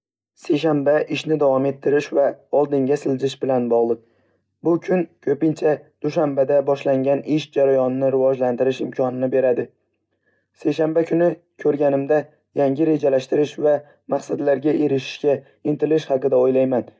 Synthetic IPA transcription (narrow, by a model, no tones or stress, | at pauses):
se̞jʃanbaʔɪʃnɪd̪avɒme̞t̪ʰːɪɾɪʃvaɒlˠd̪ɪŋɡʲasɪlzɪʃbɪlanbɒʁlˠɨq̚ | bʊkʲʰʊnkʲʰɵpɪnt͡ʃʰad̪̥ʊʃambad̪abɒʃlaŋɡʲanɪʃd͡ʒaɾajɒnɪnɪɾɪvɒd͡ʒlant̪ɪɾɪʃɪmkʰɒnɪnɪbe̞ɾad̪ɪ | se̞jʃambakʲʰʊnɪ | kʲʰɵɾɡʲanɪmd̪a | jaŋɡʲɪɾe̞d͡ʒalaʃt̪ɪɾɪʃva | maχsad̪laɾɡʲaʔe̞ɾɪʃɪ̥ʃkʲa | ɪnt̪ʰɪlɪʃhɑqɨd̪aojlajman